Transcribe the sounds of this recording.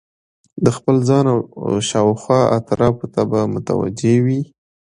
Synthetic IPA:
d̪əxpəlzɑnawʃɑwxwɑa̰t̪ɾɑpot̪abamʊt̪a̰wa̰d͡ʒewi

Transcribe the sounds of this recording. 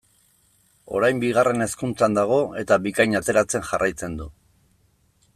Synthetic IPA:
o̞ɾajmbiɣ̞are̞ne̞skunt͡sand̪aɣ̞o̞e̞t̪aβikajɲat̪e̞ɾat͡se̞nʝarʔajt͡se̞nd̪u

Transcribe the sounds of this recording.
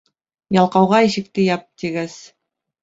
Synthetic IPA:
jɑlˠqɑwʁɑiʃɘ̆k̚t̪ɘjɑp̚t̪iɡæs

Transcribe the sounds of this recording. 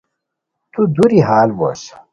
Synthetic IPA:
t̪ud̪uɾiɦaːlbo̰s

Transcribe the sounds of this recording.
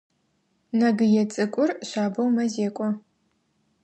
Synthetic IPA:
nɐɡɨjɛt͡sʼɨkʷʼʊrɕaːbɐwmɐzeːkʷʼɔ

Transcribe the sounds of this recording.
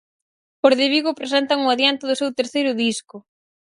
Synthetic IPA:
poɾðeβiɣʊpɾesɛnt̪aŋʊaðjant̪ɪðʊsewt̪eɾθejɾʊðiskʊ

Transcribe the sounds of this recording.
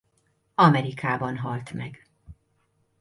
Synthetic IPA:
ɒmɛɾikaːbɒnɦɒlt̪mɛɡ

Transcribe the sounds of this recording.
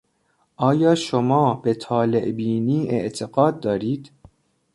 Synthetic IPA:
ʔɒːjɒːʃomɒːbe̞t̪ʰɒːleʔbiːniːʔḛʔt̪ʰeɡɒːd̪̚ːɒːɾiːd̪

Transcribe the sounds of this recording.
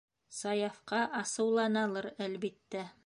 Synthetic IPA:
sɑjɑfqɑʔɑsɤ̆wlˠɑnɑlˠɤɾælβit̪ːæ

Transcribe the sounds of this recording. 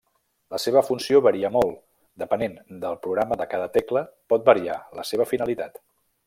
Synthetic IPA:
ləseβ̞əfunsioβəɾiəmolˠ | d̪əpənend̪əlˠpɾuɣɾaməðəkaðət̪ɛkləpɔt̪̚bəɾia̰ləseβ̞əfinəlit̪at̪

